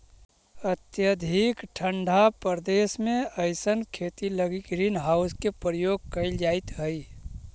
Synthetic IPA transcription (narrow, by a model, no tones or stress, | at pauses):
ət̪jəd̪ʱikʈʰəɳɖʱapəɾd̪eːsmẽəɪsənkʰeːt̪iləɡikɾinɦaːʊskepɾəjoːɡ̚kəɪld͡ʒaːɪt̪ɦəi